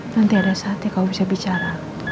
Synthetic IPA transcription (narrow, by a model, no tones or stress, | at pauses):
nant̪iadasat̪ikaubisabit͡ʃaɾa